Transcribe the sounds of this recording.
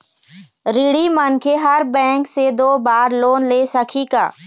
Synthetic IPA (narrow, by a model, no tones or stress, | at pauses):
ɾiɽimənkʰeɦəɾbɛ̃ːŋksed̪oːbaːɾloːnleːsəkʰika̰ː